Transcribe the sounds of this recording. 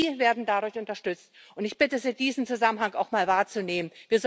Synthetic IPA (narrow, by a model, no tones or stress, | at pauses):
iːveːɐdn̩dadʊɐçʔʊntɐʃtʏt͡st | ʔʊntɪçb̥ɪtəziːd̥iːzn̩t͡suzamənhaŋaʊxmaːlvaːɐt͡suneːmənviːɐz